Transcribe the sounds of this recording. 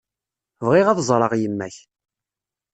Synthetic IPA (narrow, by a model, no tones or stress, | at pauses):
vʁɪʁɑðzˤɾˤɑʁjəmːæç